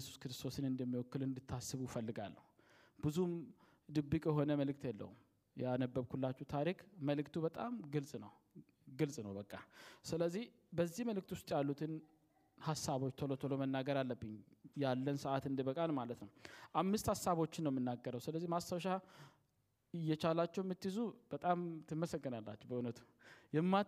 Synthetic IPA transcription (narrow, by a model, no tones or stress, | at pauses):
jɛsu̥skɨɾɨst̪ʰo̞sɨnɨnd̪əmːiwɔkːɨlɨnd̪ɨt̪ʰːasːɨβufəlːɨɡalːə̰hu | bɨzum | d̪ɨbːikʼjɛɦo̞nəməlɨk̚t̪ʰjɛlːə̰hum | jɛanəbːəβkʰulːat͡ʃːut̪ʰaɾikməlɨkt̪ʰuβət̪ʼamɡɨlsʼnəw | ɡɨlsʼnəwbəkʼːasɨləzːih | bəzːihməlɨk̚t̪wust̪ʼjalːut̪ʰɨn | hasːaβo̞t͡ʃːt̪ʰolot̪ʰolomənːaɡəɾalːəbːɨɲjalːənsəʔat̪ɨnd̪ibəkʼanmalət̪nəwʔamːɨst̪hasːaβo̞t͡ʃːɪnːəwjmːɨnːaɡːəɾəwsɨləzːihmast̪awʃa | ɨjːɛt͡ʃalat͡ʃːɛwmːɨt̪ːɨzub̥ət̪ʼamt̪ʰɨmːəsəɡːɨnalːa̰t͡ʃːɛbəʔunət̪ʰu̥ | jɛmːa